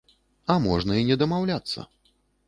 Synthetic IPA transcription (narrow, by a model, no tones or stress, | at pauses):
ɐmɔʐnɐinʲɛd̪ɐmawlʲat̪sːɐ̰